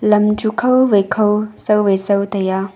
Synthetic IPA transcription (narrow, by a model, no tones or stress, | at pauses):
lɐmd͡ʒukʰɐwʋekʰɐwsɐwʋesɐwt̪ɐja